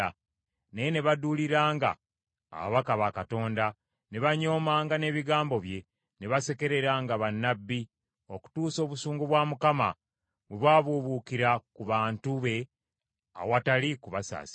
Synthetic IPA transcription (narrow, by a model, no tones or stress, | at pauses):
a | nejene̞βaduliɾaːŋɡa̰ː | βaβakaβakato̞ːnda | ne̞βaɲo̞ːmaːŋɡane̞ːβiɡaːmbo̞βje̞ | ne̞βase̞ke̞ɾe̞ɾaːŋɡaβanːabːi | o̞ku̥tuːso̞ːβusuːŋɡuβwaːmukama̰ | βweβwaːβuβukiɾakuβaːntuβe̞ | a̰watalikuβasa̰ːsi̥